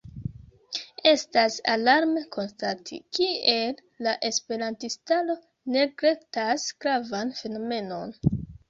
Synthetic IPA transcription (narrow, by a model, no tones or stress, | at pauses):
e̞stasalaɾmekʰo̞nstatʰḭkie̞lːaʔe̞spe̞ɾantistalo̞ | ne̞ɡɾe̞ktasɡ̥ɾavanfe̞no̞me̞no̞n